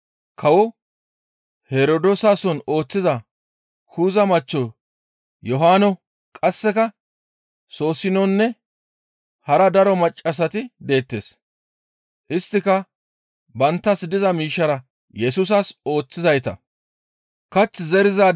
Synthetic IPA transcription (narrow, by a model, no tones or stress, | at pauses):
kʰɐwɔ | hɛɾod̪osaːsɔno̞ːt͡sːɪzɐ | kʰuːzɐmɐt͡ʃːɔ | jɔɦaːnɔ | kʼɐsːɛkɐ | so̞ːsɪnɔnːɛ | hɐɾɐd̪ɐɾɔmɐt͡ʃʼːɐs̬ɐt̪ɪd̪e̞ːt̪ːeːs | ʔɪst̪ːɪkɐ | bɐnt̪ːɐsd̪ɪzɐmiːʃːɐɾɐ | jɛsuːs̬ɐso̞ːt͡sːɪzɐjt̪ɐ̰ | kɐt͡sːzɛɾɪzaː